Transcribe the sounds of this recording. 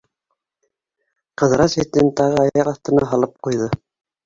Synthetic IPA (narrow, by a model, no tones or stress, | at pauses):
qɤ̆ðɾɑset̪ɘnt̪ɑʁɤɑjɑqɑθt̪ɤ̆nɑɦɑlˠɤp̚qujðɤ